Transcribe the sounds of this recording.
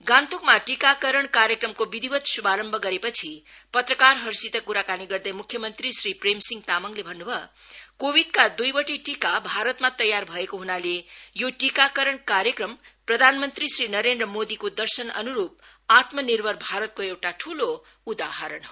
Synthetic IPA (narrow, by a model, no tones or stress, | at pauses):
ɡãnt̪okmaʈikakʌɾʌɳkaɾjekrʌmkobid̪ʱibʌt̪subaɾʌmbʱʌɡʌɾepʌt͡sʰipʌt̪rʌkarɦʌrsit̪ʌkuɾakaniɡʌrd̪ʌjmukʰːjʌmʌnt̪risripremsiŋɡt̪amʌŋlebʱʌnːubʱʌ | kobid̪̚kad̪ujbʌʈiʈikabʱaɾʌt̪mat̪ʌjːarbʱʌekoɦunalejoʈikakʌɾʌɳkaɾjʌkrʌmprʌd̪ʱanmʌnt̪risɾinʌɾend̪rʌmod̪ikod̪ʌrsʌnʌ̰nuɾup̚ | at̪mʌnirbʱʌrbʱaɾʌt̪̚koewʈaʈʰulo | ud̪aɦʌɾʌɳɦo